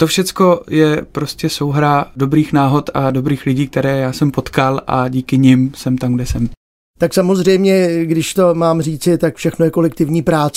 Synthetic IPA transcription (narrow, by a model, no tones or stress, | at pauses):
t̪ofʃɛt͡skojɛpɾo̞scɛso̞wɦɾado̞bɾiːxnaːɦo̞t̪ado̞bɾiːxlɪɟiːk̚t̪ɛɾɛːjaːsɛmpo̞t̪kalʔa̰ɟiːkɪɲɪmsɛmt̪amɡdɛsɛm | t̪aksamo̞zrɛjmɲɛɡdɪʃt̪o̞maːmriːt͡sɪt̪akfʃɛxnojɛko̞lɛkt̪ɪvɲiːpɾaːt͡s